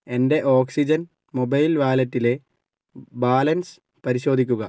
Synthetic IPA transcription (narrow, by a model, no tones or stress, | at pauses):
e̞nde̞ʔo̞ːksid͡ʑɐn | mobɐjlʋaːlɐtːile̞ | baːlɐns | pɐɾiɕo̞ːd̪ikʲːuɣɐ